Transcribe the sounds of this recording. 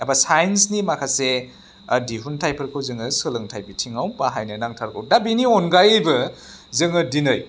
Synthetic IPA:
abasajnsnimakʰase | diɦuntʰajpʰɐɾkʰɯwzɯŋɯsɯlɯŋtʰajbitʰiŋawpaɦajnɯnaŋtʰaɾkʰɯwdabinionɡajɯjbɯ | zɯŋɯdinɯj

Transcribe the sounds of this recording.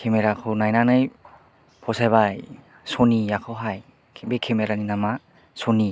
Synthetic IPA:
kʰemeɾakʰɯwnajnanaj | pʰɔsajbaj | sonijakʰɯwɦajʰ | bekʰemeɾaninama | soni

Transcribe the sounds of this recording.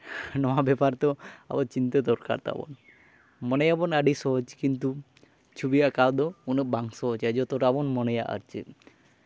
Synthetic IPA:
nɔwabɛpaɾt̪oa̰bɔt͡ʃint̪ad̪ɔɾka̰ɾt̪a̰bɔ̰n | mɔnejabɔnaɖisɔɦɔd͡ʒkint̪u | t͡ʃʰubiakad̪ɔunebaŋsɔɦɔd͡ʒad͡ʒɔt̪oɾabɔnmɔnejaʔa̰ɾt͡ʃʰe

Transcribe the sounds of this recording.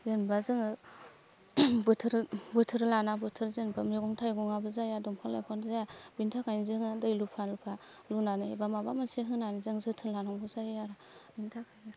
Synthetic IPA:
zenbazɯŋɯ | bɯtʰɯɾbɯtʰɯɾlanabɯtʰɯɾzenbamiɡɔŋtʰajɡɔŋabɯzajadɔmkʰalajpʰanzajabintʰakʰajnizɯŋɯdɯjlupʰalupʰa | lunanebamabamɯseɦɯnanizɯŋzɯtʰɯɾlanaŋɡɯzajaɾa | bintʰakʰajni

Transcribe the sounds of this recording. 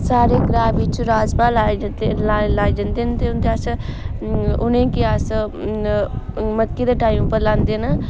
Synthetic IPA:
saːɾekɾaːbit͡ʃɾaːzpaːlaːed͡ʒ̪alaːed͡ʒənd̪ent̪eʊnt̪eaːs | ʊnẽkiaːs | mɐkːid̪aʈaːimpəɾlãːnd̪ena

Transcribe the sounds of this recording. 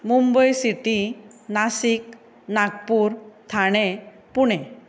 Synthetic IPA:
mumbəjsiʈinasik | naɡ̚puɾt̪ʰaɽ̃e | puɽ̃ɛ

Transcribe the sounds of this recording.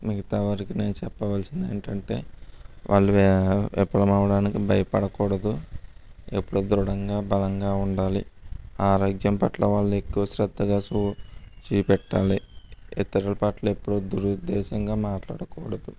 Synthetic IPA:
miɡɐt̪aːʋɐɾikine̞ːnut͡ʃɛpːɐʋɐlsind̪eːniʈɐɳʈe̞̰ːʋʔa̰ːɭːuɛpɐlɐmɐːʋɐɽaːnikibʱɐjɐpɐɽɐkɔːɽɐd̪u | epːuɽud̪ɾuɽɐŋɡaːbɐlɐŋɡaːuɳɖaːlḭaːɾoːɡjɐmpɐʈloːʋaːɭːue̞kːuʋɐʃɾɐd̪ːɐɡaːsut͡ʃiːpɛʈːaːliit̪ːɐɾɐlɐpaːʈlɐːepːuɽud̪uɾud̪ɛːʃɐŋɡaːmaːʈla̰ːɽɐkɔːɽɐd̪u

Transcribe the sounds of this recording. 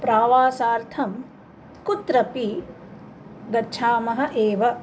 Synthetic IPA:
pɾaːʋaːsaːɾt̪ʰɐm | kut̪ɾɐpi | ɡɐt͡ʃʰaːmɐɦɐ̆ʔeːʋɐ

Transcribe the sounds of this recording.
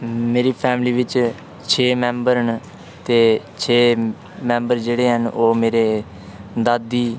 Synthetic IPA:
meːɾiːpʰɛːmliːʋɪt͡ʃ | t͡ʃʰeːmɛ̃ːmbəɾən | t̪eːt͡ʃʰeː | mɛ̃ːmbəɾd͡ʒeːɽeːɦənʔoːmeːɾeː | d̪aːd̪iː

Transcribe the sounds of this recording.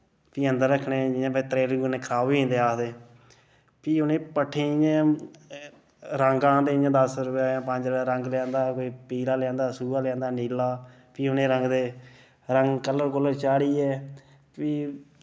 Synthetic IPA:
piːənd̪əɾːəkʰːɳeːd͡ʒɪjãːpət̪ɾeːlɡnẽːkʰəɾaːʋĩːnd̪eːaːd̪eː | piːʊnẽːpəʈʰːeːã | ɾəŋɡãːd̪eːjãːd̪əsɾʊpaːãːpəɲd͡ʒɾːɾəŋɡlãːnd̪aːkoːiːpiːlaːlɪãːnd̪aːsuːaːlãːnd̪aːniːlaː | piːʊnẽːɾəŋɡd̪eː | ɾəŋɡkələɾkʊlət͡ʃaːɽiːɛː | piː

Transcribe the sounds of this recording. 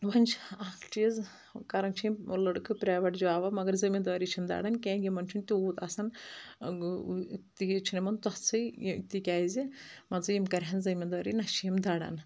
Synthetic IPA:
ʋɐnʲt͡ʃʰaːkʈiz | kɐɾɐnt͡ʃʰiimulːɐɽɨkʰɨpɾʲaːʋɐʈd͡ʒuaːʋɐmɐɡɐɾzɐmʲind̪ʋaːɾit͡ʃʰimd̪a̰ːɽɐnkʲẽːɡʲimɐnt͡ʃʰunt̪ʲiuːt̪asɐn | t̪it͡ʃʰinɐmɐnt̪ɔt͡sʰɨkt̪ikʲaːizimɐzɨjimkɐɾʲɦɐnzɐmʲind̪ʋaːɾinɐʃijɐmd̪aːɽɐ̰n

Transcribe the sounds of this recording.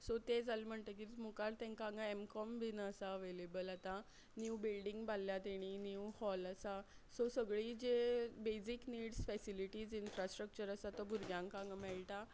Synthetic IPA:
sɔt̪ed͡zalm̤əɳt̪əkimukaɾt̪ɛ̃ŋkãŋɡaemkɔmbʱinːsaəʋelebəlat̪a | njubilɖiŋɡbalːjat̪eɽ̃injuhɔləsasɔsəɡɭiːd͡ʑebed͡zikniːɽsfɛsiliʈiːd͡zinfɾasʈɾək̚t͡ɕəɾəsat̪ɔbʱuɾɡjãŋkãŋɡamɛɭʈa

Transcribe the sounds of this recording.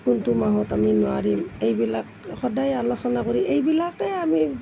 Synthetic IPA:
kuntumaɦɔtaminɔaɹimejbilakxɔdajalɔsɔnakoɹiʔejbilakɛami

